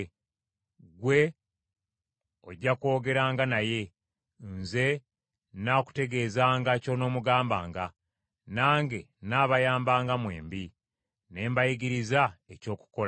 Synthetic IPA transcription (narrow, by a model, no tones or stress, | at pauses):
ɡwe̞ | oɟːako̞ːɡe̞ɾaːŋɡanaje̞ | nze̞ | naːku̥te̞ɡe̞ːzaːŋɡaco̞no̞ːmuɡaːmba̰ːŋɡa | naːŋɡe̞naːβajaːmbaːŋɡamwe̞ːmbi | ne̞ːmbajiɡiɾizaeco̞ːku̥ko̞l